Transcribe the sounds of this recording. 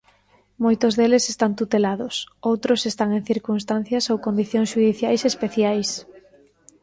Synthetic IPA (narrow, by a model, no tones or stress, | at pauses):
mojt̪ʊzðelesest̪ant̪ut̪elaðʊsowt̪ɾʊsest̪aŋeŋθiɾkunst̪an̟θjɐsowkond̪iθjõŋsʃuðiθjajsespeθjajs